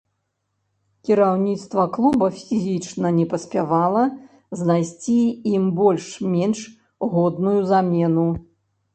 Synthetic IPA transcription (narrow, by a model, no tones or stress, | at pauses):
kʲiɾawnʲit̪st̪vɐklˠubɐfʲizʲit͡ʂnɐnʲɛpɐsʲpʲavalˠɐ | znajsʲt͡sʲiimbɔlʲʂmʲɛnʂ | ɣɔd̪nujuzamʲɛnu